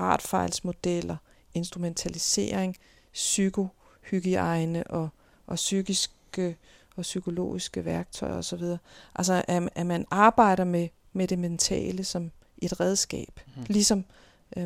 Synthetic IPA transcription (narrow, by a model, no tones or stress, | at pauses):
ʁɑ̰̈d̥fɑ̈ɪlsmo̝d̥el̰ɐ | ʔe̝nsd̥ʁument͡sʰælise̝̰ːɐ̰eŋ | syɡ̥ʰo̝ | hyɡ̥iɑ̈ɪnəʔɒ̽ | ʔɒ̽syɡ̥isɡ̥ə | ɒ̽sykʰo̝lo̝̰ːisɡ̥əʋæɐɡ̥t͡sʰɒ̽ɪɐɒ̽sɒ̽ʋið̞ˠɐːʔæls̬ɐʔæʔæmænɑ̈ːb̥ɑ̈ɪ̰ɾɐme | meɾ̥e̝ment͡sʰɛ̰ːləsɒ̽m | ʔe̝d̥ʁɛð̞ˠsɡ̥ɛ̰ːb̥lisɒ̽m